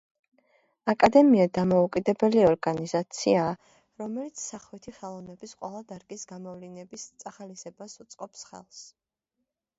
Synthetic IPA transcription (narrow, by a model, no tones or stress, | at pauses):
akʼad̪ɛmiad̪amaukʼid̪ɛbɛliɔɾɡanizat̪sʰia | ɾɔmɛlit̪sʰsaχwit̪ʰiχɛlˠɔvnɛbisqʼwɛlˠad̪aɾɡisɡamɔvlinɛbist̪sʼaχalisɛbasut̪sʼqʼɔpsχɛ̰lˠs